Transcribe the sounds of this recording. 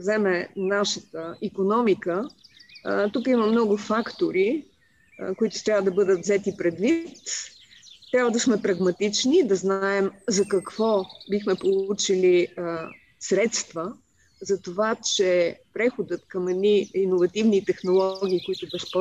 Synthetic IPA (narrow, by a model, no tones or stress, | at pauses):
vzɛmɛnaʃət̪əikonɔmikə | t̪ukiməmnɔɡʊfakt̪oɾi | koit̪ʊ̥t̪ɾʲavəd̪ɐbɤd̪ət̪vzɛt̪ipɾɛd̪vit̪ː | ɾʲabvəd̪ɐsmɛpɾɐɡmɐt̪it͡ʃnid̪ɐznaɛmzɐkɐkv̥ɔbixmɛpolˠut͡ʃili | sɾɛt̪st̪və | zɐt̪ovat͡ʃɛpɾɛxod̪ət̪kɐmɛd̪niinovɐt̪ivnit̪ɛxnolˠɔɡ̟ʲiːkʊit̪ʊbɛspɔ